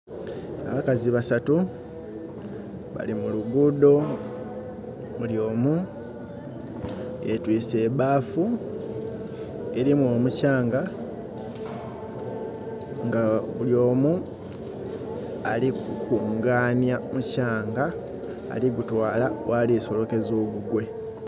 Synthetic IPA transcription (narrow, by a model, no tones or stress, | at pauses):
a̰βakaziβasatu | βa̰limuluɡudo̞ | muljo̞ːmu | etwiːse̞ːbaːfu | eɾimuoːmucaːŋɡa | ŋɡaβuljo̞ːmu | alikukuŋɡaːnjamucaːŋɡa̰ː | liɡutwaːlawʔaliso̞lo̞ke̞zoːɡuɡwe̞